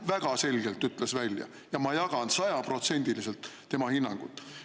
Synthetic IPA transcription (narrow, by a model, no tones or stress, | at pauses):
væɡ̥ɑse̞lʲɡ̥e̞lt̪ːˑyt̪ːˑle̞svælʲjɑ̰ | jɑmɑjɑɡ̥ɑnsɑjɑpro̞t̪se̞nʲd̪̥ilise̞lt̪ːe̞mɑhinːɑŋɡ̥ut̪ːˑ